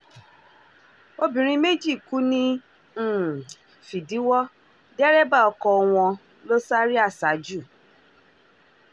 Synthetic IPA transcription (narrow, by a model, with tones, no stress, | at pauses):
o˦bĩ˨ɾ̃ĩ˦me˦d͡ʒi˦˨ku˦nĩ˦˨ | fi˨di˨˦wɔ˦ | dɛ˦ɾɛ˦ba˦˨ɔ˨˧kɔ˧w̃ɔ̃˧ | lo˦sa˦ɾi˦a˦˨sa˨˦d͡ʒu˦˨